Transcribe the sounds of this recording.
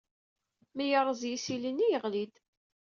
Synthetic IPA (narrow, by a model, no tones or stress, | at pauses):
mijəɾˤəzˤjisilinːijəʁlid̪